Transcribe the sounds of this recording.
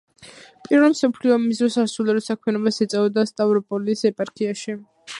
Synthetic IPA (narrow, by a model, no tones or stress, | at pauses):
pʼiɾvɛlˠmsɔpʰliɔmizɾɔsasulɛɾɔsakʰmɛnɔbasɛt̪sʼavɔd̪ast̪ʼavɾɔpʼɔliːsɛpʼaɾkʰiaʃi